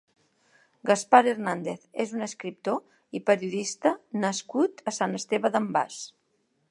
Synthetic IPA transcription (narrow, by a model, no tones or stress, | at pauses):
ɡəspaɾeɾnand̪eθezunəskɾip̚t̪o | ipəɾiuðist̪ənəskut̪əsanəst̪eβəðəmba̰s